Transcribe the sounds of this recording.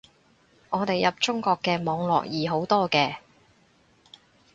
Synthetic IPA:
ŋɔː˨˧t̪e˨jɐ˨p̚t͡ʃʊ˥ŋkɔː˧kːɛː˧mɔː˨˧ŋlɔ̰ː˨k̚jiː˨˩ɦo˨˥wt̪ɔː˥kɛː˧

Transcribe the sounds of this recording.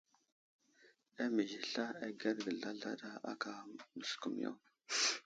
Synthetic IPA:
a˦mə˨zi˨ɬa˦a˨ɡa˦ɾɡə˨ɮa˦ɮa̰˦ɗa˦a̰˦ka˨mə˨sku˨mja̰˦˨

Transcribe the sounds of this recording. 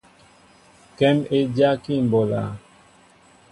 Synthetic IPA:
kɛ˦me˦d͡ʒja˦ki˦˨m˨bɔ˨la̰˨

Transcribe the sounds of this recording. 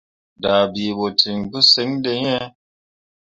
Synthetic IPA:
da˨bi˨bo˨tʰi˨ŋbu˦se˨˦ŋde˧ɲɛ˦

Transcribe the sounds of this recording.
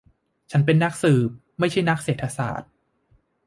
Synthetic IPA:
t͡ɕʰa˦˥np̬e˧nːa˦˥k̚sɯː˨˩p̚ | ma˥˩jt͡ɕʰa˥˩jna˦˥k̚seː˨˩t̪ʰːa˧sa̰ː˨˩t̪̚

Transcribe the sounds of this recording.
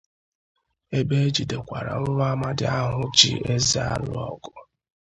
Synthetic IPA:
e˦be˦e˦d͡ʒi˨de˨kʷa˨ɾa̰˨n̩˦ɾʊ˦a˦ma˦dɪ˦a˦ɦʊ˦t͡ʃḭ˦e˦zi˦a̰˦lʊ˦ɔ̰˦ɡʊ˨

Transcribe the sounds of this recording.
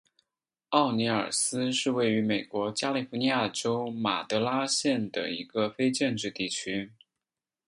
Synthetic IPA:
ɑ˥˩ʊni˧˥ə̰˞˨˩sɹ̩˥ʂɻ̩˥˧we˥˩ɪy˧˥me˨˩ɪkwɔ˧˥t͡ɕja˥li˨˩fu˧˥ni˧˥ja˥˩ʈ͡ʂo˥ʊma̰˨˩t̪ɤ˧˥la˥ɕjɛ˥˩nd̪ə̰˩ḭ˧˥ɡə˧fe˥ɪʈ͡ʂə˥˧nʈ͡ʂɻ̩˥˧t̪i˥˩t͡ɕʰy˥

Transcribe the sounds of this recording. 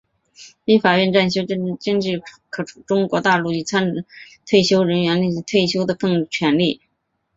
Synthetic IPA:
li˥˩fa˨˩ɥɛ˥˧nʈ͡ʂa˥˩nɕ̬jo˥ʊ˥ʈ͡ʂə˥˧ŋʈ͡ʂɻ̩˥˩kʰɤ˨˩ʈ͡ʂʰu˨˩ʈ͡ʂʊ˥ŋkwɔ˧˥t̪a˥˧lu˥˩i˥˩t͡sʰa˥n˥ | t̪ʰwe˥˩ɪɕjo˥ʊɻə˧˥nɥɛ˧˥nli˥˩˧t̪ʰwe˥˩ɪɕjo˥ʊd̪ə˨kɤ˥˩ŋt͡ɕʰɥɛ˧˥nli˥˩

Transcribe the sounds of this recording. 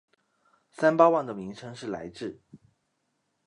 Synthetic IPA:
sa˥npɑ˥wa˥˩nd̪ə˩mi˧˥ŋʈ͡ʂʰɤ˥ŋʂɻ̩˥˩la̰˧˥ɪʈ͡ʂɻ̩˥˩

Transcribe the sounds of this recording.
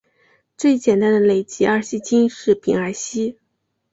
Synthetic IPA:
t͡swe˥˩ɪt͡ɕjɛ˨˩nt̪a˥nd̪ə˨˩le˨˩ɪt͡ɕi˧˥ʔa˥˩ɕi˥˩t͡ɕʰi˥ŋʂɻ̩˥˩pi˧˥ŋa˧˥ɪɕi˥

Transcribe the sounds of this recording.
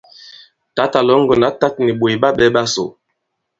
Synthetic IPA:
ta˨˦ta˨lɔ˨˦ŋ̩˦ɡə˨na˨˦ta˦t̚ni˨ɓwo˨jɓa˦ɓɛ˦ɓa˦so̰˨

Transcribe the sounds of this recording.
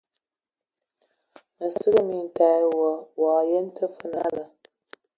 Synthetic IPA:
mə˨sɨ˦ɣɨ˦mi˨n˨ta˦wɔ˨waː˨jɛ˦n˦tə˦fɨ˦na˦lə˨

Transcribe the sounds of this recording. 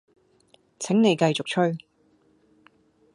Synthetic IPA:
t͡sʰɛ˨˥ŋne˨˧jkɐ˧jt͡sʊ˨k̚t͡ʃʰɵ˥ɥ

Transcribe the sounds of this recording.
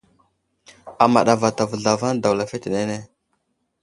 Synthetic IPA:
a˨ma˨ɗa˨va˨ta˨və˨ɮa˨va˦n˦da˨wla˨fe˦te˨ne˦ne˦

